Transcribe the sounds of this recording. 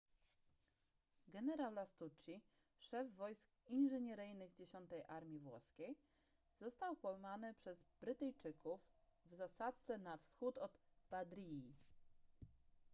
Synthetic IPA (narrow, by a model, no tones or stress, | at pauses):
ɡɛnɛɾawlast̪ut͡ʂi | ʂɛvːɔjskinʐɛɲɛɾɘjnɘɣd͡ʑeɕɔnt̪ɛjʔaɾmʲivwɔ̰skʲej | z̥ɔst̪awpɔwmanɘpʂɛzbɾɘt̪ɛjt͡ʂɘkuvvzasat̪̚t̪sɛnafsxut̪ɔt̪b̥ad̪ɾʲii